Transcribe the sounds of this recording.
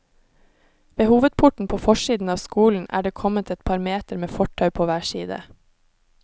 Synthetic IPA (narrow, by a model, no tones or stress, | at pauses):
ʋeːhuːʋəd̪̚pʰʊʈɳ̩pʰoːfɔʃiːd̪n̩ɑːʋskuːln̩ʔæ̰ːɖeːkʰɔmət̪ʰɛt̪pʰɑːɾmeːt̪əɾmeːfɔʈʰœʉpʰoːʋæːʃiːd̪ə̰